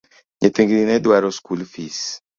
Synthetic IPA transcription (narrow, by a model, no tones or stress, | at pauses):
ɲet̪iŋɡɾinɛdwaɾɔskulfis